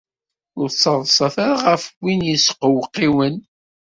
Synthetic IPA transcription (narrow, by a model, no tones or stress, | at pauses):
ʊɾsˤɑðˤsˤɑθæɾaʁəfwinjisqəwqːiwən